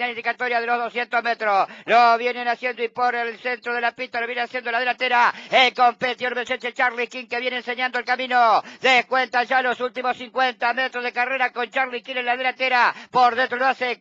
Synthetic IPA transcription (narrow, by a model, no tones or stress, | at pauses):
alind̪ikat̪o̞ɾjað̞e̞lo̞ɦðo̞sje̞nt̪o̞ɦme̞t̪ɾosloβje̞nenasje̞nd̪oipo̞ɾelse̞nt̪ɾoðe̞lapit̪aloβjeneasje̞nd̪olaðelat̪eɾaelko̞mpet̪ioɾmeset͡ʃet͡ʃaɾlihkiŋke̞βjeneːnse̞ɲand̪oelkamĩno̞ðehkwe̞nt̪anʒalo̞sult̪imo̞siŋkwe̞nt̪ame̞t̪ɾoɦðe̞kare̞ɾako̞nt͡ʃaɾlikinenlaðelat̪eɾapo̞ɾðent̪ɾoloase